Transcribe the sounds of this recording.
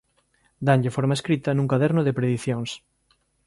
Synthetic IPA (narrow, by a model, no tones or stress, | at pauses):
d̪aɲʎɪfoɾmaeskɾit̪ɐnũŋkaðɛɾnʊðepɾeðiθjoŋs